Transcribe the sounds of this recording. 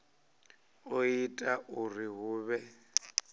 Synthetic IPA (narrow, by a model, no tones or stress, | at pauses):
oitʼaʔʊriɦʊːβɛ